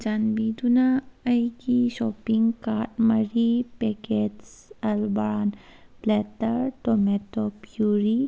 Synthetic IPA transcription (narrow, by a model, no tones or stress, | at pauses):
d͡ʒanbid̪unaəjkiʃɔpiŋkaɾʈmɐɾipeketsɐlbaanplet̪əɾʈometopjuɾi